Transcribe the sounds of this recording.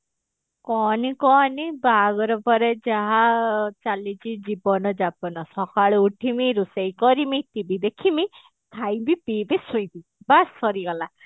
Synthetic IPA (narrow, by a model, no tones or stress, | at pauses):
kɔnikɔnibaɡɔɾɔpɔɾed͡ʒaɦat͡ʃalit͡ʃʰid͡ʒibɔnɔd͡ʒapɔnɔsɔkʰaɭɔuʈʰimiɾusejkɔɾimit̪ibid̪ekʰimi | k̪ʰajbipibisuj̃t̪ibasɔɾiɡɔla